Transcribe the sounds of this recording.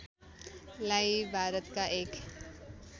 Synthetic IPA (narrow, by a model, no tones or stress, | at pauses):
lajibʱaːɾət̪kaʔeːk